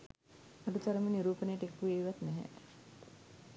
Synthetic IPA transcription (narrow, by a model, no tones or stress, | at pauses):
aɖut̪aɾəmeniɾuːpənəjəʈekːuʋeːʋat̪nɛɦɛ̰